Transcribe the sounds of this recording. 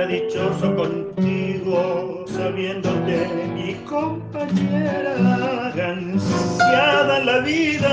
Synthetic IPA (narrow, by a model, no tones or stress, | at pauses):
aðit͡ʃo̞so̞ko̞nt̪iɣo̞ | saβje̞nd̪o̞t̪e̞miko̞mpaɲeɾaɣansjaðanlaβiða